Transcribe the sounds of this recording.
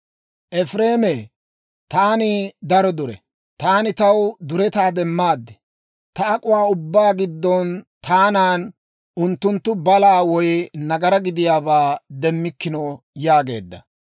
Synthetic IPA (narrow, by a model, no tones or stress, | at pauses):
ʔɛfɾeːmeː | t̪aːnɪd̪ɐɾɔd̪ʊɾɛ̰ | t̪aːnɪt̪ɐwd̪ʊɾɛt̪aːd̪ɛmːaːd̪ːɛ̥ | t̪ɐɐkʼʊwaːʊbːaːɡɪd̪ːɔnt̪ʰaːnaːn | ʔʊnt̪ːʊnt̪ːʊbɐlaːwɔjnɐɡɐɾɐɡɪd̪ɪjaːbaːd̪ɛmːɪkːɪnɔ | jaːɡe̞ːd̪ːɐ̰